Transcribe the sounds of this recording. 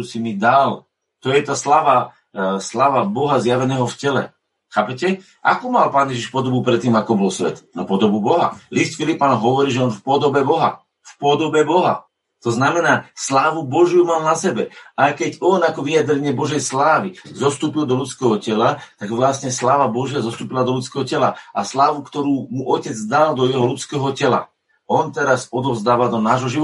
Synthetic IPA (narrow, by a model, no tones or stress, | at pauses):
usimid̪al | t̪ɔjɛt̪aːslaːʋa | slaːʋabɔɦazjaʋɛnɛːɦɔfcɛlɛ̰ | xaːpɛcɛ | ʔa̰kuːmalpaːnjɛʒiʃpɔd̪ɔbupɾɛt̪ːiːmakɔbɔlsʋɛ̰t̪na̰pɔd̪ɔbubɔɦa̰list̪filipaːnɦɔʋɔɾiːʒɛɔnfpɔd̪ɔbɛbɔɦa̰ | fpɔd̪ɔbɛbɔɦa̰ | t̪ɔznamɛnaːslaːʋubɔʒjumaːlnasɛbɛajkɛɟɔnakɔʋijad̪ɾɛɲɪɛbɔʒɛjslaːʋizɔst̪uːpild̪ɔʎut͡skɛːɦɔcɛlat̪aɡʋlasɲɛslaːʋabɔʒɪazɔst̪uːpilad̪ɔlut͡skɛːɦɔcɛla̰ʔa̰slaːʋukt̪ɔɾuːmuʔɔcɛd͡zd̪ald̪ɔjɛɦɔlut͡skɛːɦɔcɛla̰ | ɔnt̪ɛɾasɔd̪ɔvzd̪aːʋad̪ɔnaːʒɦɔʒiʋ